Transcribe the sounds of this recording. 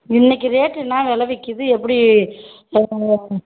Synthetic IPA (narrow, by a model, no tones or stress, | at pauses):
ɪnːɛk̬ːɯɾeːʈːɯnãːʋɛlɐʋɪkːɯðɯɛpːɐɽi